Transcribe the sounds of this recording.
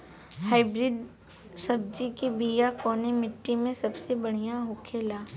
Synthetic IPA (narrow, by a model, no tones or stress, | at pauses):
haːɪbɾɪɖ̪ | sɐb̚d͡ʒikibiːjakɔːnemɪʈːimẽsɐbsebɐɽ̤ijaɦoːkʰeːlaː